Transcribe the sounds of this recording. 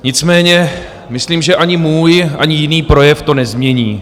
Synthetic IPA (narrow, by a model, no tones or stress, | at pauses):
ɲɪt͡smɛːɲɛ | mɪsliːmʒɛʔaɲɪmuːjʔa̰ɲɪjɪniːpɾo̞jɛft̪o̞nɛzmɲɛɲiː